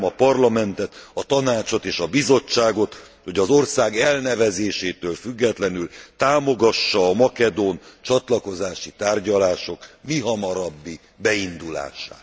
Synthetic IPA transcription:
ɒpɒrlɒmɛnt̪ɛt̪ɒt̪ɒnaːt͡ʃo̞t̪eːʃɒbizo̞t͡ʃːaːɡo̞t̪ | ho̞ɟɒzo̞rsaːɡɛlnɛvɛzeːʃeːt̪øːlfyɡːɛt̪lɛnylt̪aːmo̞ɡɒʃːɒːmɒkɛd̪oːnt͡ʃɒt̪lɒko̞zaːʃit̪aːrɟɒlaːʃo̞kmiɦɒmɒɾɒbːi | bɛind̪ula̰ːʃa̰ːt̪

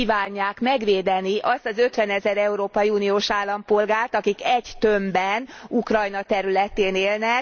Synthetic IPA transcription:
iːvaːɲːaːkmɛɡʋeːd̪ɛniʔɒst̪ɒzøt̪ʋɛnɛzɛɾɛuɾoːpɒjiunioːʃaːlːɒmpo̞lɡaːrt̪ɒkikɛɟt̪ø̞mbɛnukrɒjnɒt̪ɛɾylɛt̪eːneːlnɛk

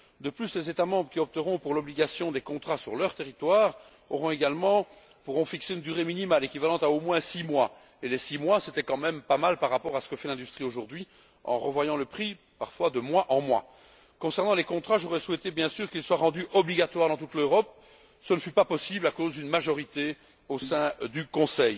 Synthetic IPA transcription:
d̪əplyslezet̪amɑ̃bʁəkʲiɔp̚t̪əʁɔ̃puʁlɔbliɡasjɔ̃d̪ekɔ̃t̪χasyʁlœʁt̪eʁit̪waːʁ | ɔʁɔ̃eɡalmɑ̃ | puʁɔ̃fikseynd̪yʁeminimalekʲivalɑ̃t̪aomwɛ̃simwa | elesimwasɛt̪ɛkɑ̃mɛmpamalpaʁːapɔʁasə̥kəfɛlɛ̃d̪yst̪χioʒuʁd̪ɥi | ɑ̰̃ʁəvwajɑ̃ləpχi | paʁfwad̪əmwaʔɑ̃mwa̰ | kɔ̃sɛʁnɑ̃lekɔ̃t̪χaʒoʁɛswɛt̪ebjɛ̃syːʁkilswaʁɑ̃d̪yʔɔbliɡat̪waʁd̪ɑ̃t̪ut̪løʁɔp̚ | sənəfypapɔsiblakozd̪ynmaʒɔʁit̪e | osɛ̃d̪ykɔ̃sɛj

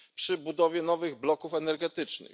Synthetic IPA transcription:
pʂɘbud̪ɔvʲjɛnɔvɘɣblɔkufɛnɛɾɡɛt̪ɘt͡ʂnɘ̰

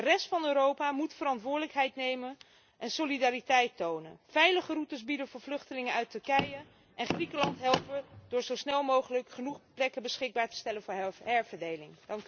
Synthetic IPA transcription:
dərɛstfɑnøːɾowpamutfəɾɑntʋʊːɹdələkɦɛjtnejmən | ʔɛnsolidaːritɛjtownə̰nvɛjləχərutəsbidənvʊːɹvlɵχtəlɪŋənœɥtɵɹkɛjə | ʔɛnχrikəlɑntɦɛlˠpəd̥ʊːɹzowsnɛlˠmowχələkχənuχplɛkəbəsχɪɡ̚baːɹtə̥stɛlənvʊːɹhɛɹvəɹdejlɪŋd̥ɑŋk

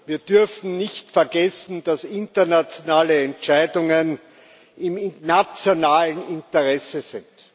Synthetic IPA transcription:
viːɐd̥ʏɐfn̩nɪçtfɛɐɡɛsn̩d̥asɪntɐnat͡sjonaːləɛnt͡ʃaɪdʊŋən | ɪmnat͡sjonaːlənɪntɐʁɛsəzɪnt

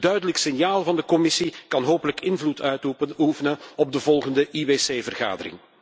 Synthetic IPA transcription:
dœɥdələksɪnjaːlˠvɑndəkɔmɪsikɑnɦoːpələkɪnvlutʰœɥtuufənəɔb̚dəvɔlˠɣəndəʔiweːseːvərɣa̰ːdə̰rɾɪ̰ŋ

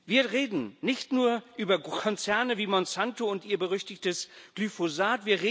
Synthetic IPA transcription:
viːɐʁeːdn̩nɪçtnuːɐʔyːbɐkʰɔnt͡sɛɐnəviːmɔnsantoʊntʔiːɐbəʁʏçtɪçtəsɡ̥lyfozaːtv̥iːɐʁeː

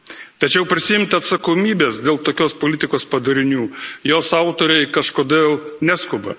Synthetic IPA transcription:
t̪ɐt͡ʃʲɛʊpʲɾʲɪsʲɪjɪmʲt̪ʲɐt̪sɐkoːmʲiːbʲeːsd̪ʲeːlˠt̪oːkʲoːspoːlʲɪt̪ʲɪkoːspɐd̪ɐɾʲɪnʲuːjoːsɑˑʊt̪oːɾʲɛɪkɐʃkoːd̪ʲeːlˠnʲæskʊbɐ̰

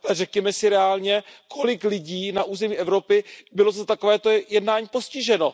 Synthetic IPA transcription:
alɛrɛkɲɛmɛsɪɾɛaːlɲɛkʰo̞lɪklɪɟiːnaʔuːzɛmiːʔɛvɾo̞pɪbɪlot̪ot̪akovɛːt̪ojɛdnaːɲiːpo̞scɪʒɛno̞

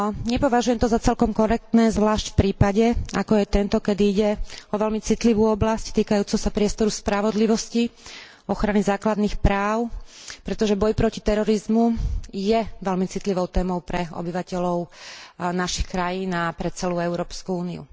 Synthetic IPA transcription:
ɲɛpɔʋaʒujɛmt̪ɔzat͡sɛlkɔmkɔɾɛk̚t̪nɛːzʋlaːʃcfpɾiːpaɟɛakɔjɛt̪ɛnt̪ɔkɛd̪iiɟɛɔʋɛlmit͡sit̪liʋuːɔblasct̪iːkajuːt͡sɛʊsapɾɪɛst̪ɔɾuspɾaʋɔd̪liʋɔsci | ɔxɾanizaːklad̪niːxpɾaːʊ | pɾɛt̪ɔʒɛbɔjpɾɔcit̪ɛɾɔɾizmujɛʋɛlmit͡sit̪liʋɔʊt̪ɛːmɔʊpɾɛɔ̰biʋacɛlɔʊnaʃixkɾajiːnapɾɛt͡sɛluːɛʊɾɔːpskuuːniṵ

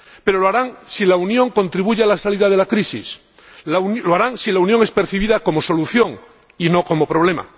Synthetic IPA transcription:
pe̞ɾo̞loaɾaŋsilaunjõ̞ŋkõ̞nt̪ɾiβuʝealasaliðað̞e̞lakɾisḭs | lloaɾaŋsilaunjo̞ŋe̞spe̞ɾθiβ̞iðako̞mo̞so̞luθjo̞ŋ | ino̞ko̞mo̞pɾo̞β̞le̞ma̰

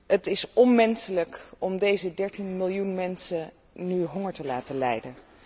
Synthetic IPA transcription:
ətɪsɔnmɛnsələkɔmdejzədɛɹtinmɪlˠjunmɛnsə | nyɦɔŋəɹtəlaːtəlɛjdən

